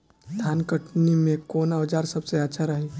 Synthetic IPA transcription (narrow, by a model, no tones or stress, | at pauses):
d̪ʱaːnkəʈnimẽkoːnaʋd͡ʒaːɾsɐbseɐtːʃʰaɾɐɦe